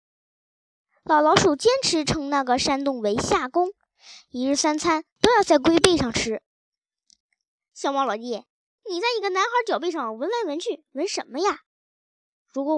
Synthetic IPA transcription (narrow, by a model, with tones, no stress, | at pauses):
lɑ˨˩ʊlɑ˧˥ʊʂu˨˩t͡ɕjɛ˥nʈ͡ʂʰɻ̩˧˥ʈ͡ʂʰɤ˧˥ŋna˥˩ɡə˩ʂa˥nt̪ʊ˥˩ŋwe˧˥ɪɕja˥˩kʊ˥ŋ | i˧˥ɻ̩˥˩sa˥nt͡sʰa˥nt̪o˥ʊjɑ˥˧ʊt͡sa˥˩ɪk̬we˥ɪpe˥˧ɪʂɑ˥˩ŋʈ͡ʂʰɻ̩˥ | ɕjɑ˥˩ʊwɑ˥˧ŋlɔ˨˧˩jɛ˥˩ | ni˨˩t͡sa˥˩ɪi˧˥ɡə˧na˧˥nxɑ˧˥t͡ɕjɑ˨ʊpe˥˧ʂɑ˥˩ŋwə˧˥nma˧˥nwə˧˥nt͡ɕʰy˥˩wə˧˥nʂə˧˥nmə˦ja˥˧ | ɻu˧˥kwɔ˧˥